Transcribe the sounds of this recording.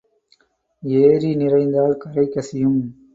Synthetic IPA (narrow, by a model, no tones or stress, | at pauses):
eːɾinɪrɐɪnd̪aːlkɐɾɐɪkːɐsɪjɯm